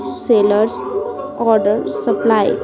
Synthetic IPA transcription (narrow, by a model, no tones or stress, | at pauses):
seləɾs | ɔɾɖəɾsəplaj